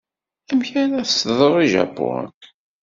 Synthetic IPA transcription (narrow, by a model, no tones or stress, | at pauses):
æmçænæθtðˤɾˤiʒæ̰bʊ̰k